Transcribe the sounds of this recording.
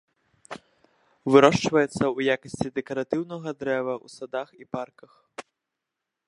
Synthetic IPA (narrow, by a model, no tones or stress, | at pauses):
vɨɾɔʂt͡ʂvɐjɛt̪sːɐujakɐsʲt͡sʲid̪ɛkɐɾat̪ɨwnɐɣɐd̪ɾɛvɐʔṵsad̪axiparkɐx